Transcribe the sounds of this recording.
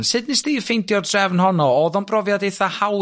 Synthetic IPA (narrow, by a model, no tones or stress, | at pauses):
nsɨdnɪsd̥iːfejndjɔddrɛvnhɔnɔɔðɔnb̥rɔvjadejθahaw